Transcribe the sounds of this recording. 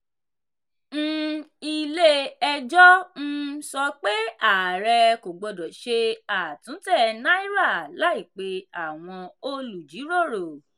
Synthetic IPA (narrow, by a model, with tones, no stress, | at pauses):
n̩˦i˧le˦ɛ˧d͡ʒɔ˦n̩˦sɔ˧k͡pe˦a˦˨ɾɛ˧ko˨ɡ͡bɔ˧dɔ˨ʃe˧a˨tũ˨˦tɛ˦˨nã˦i˦ɾa˦˨la˨˦i˦˨k͡pe˧a˨w̃ɔ̃˧o˧lu˨d͡ʒi˨˦ɾo˦˨ɾo˨